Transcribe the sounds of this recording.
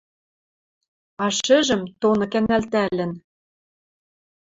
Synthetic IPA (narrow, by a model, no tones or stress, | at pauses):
ɑʃɘ̆ʒɘ̆mt̪onɤ̆kænælt̪ælɘ̆n